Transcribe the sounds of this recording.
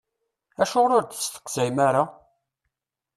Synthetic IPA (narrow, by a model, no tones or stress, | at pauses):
æʃʊʁɾʊɾd̪əst̪ə̥qzæjmaɾa